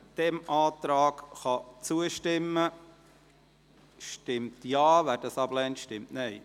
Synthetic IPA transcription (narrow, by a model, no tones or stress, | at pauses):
d̥ɛmɑːt̪ɾɑːɡχɑt͡suəʃtɪmːə | ʃtɪmtjɑːʋæd̥ɑsɑblɛntʃtɪmtnɛj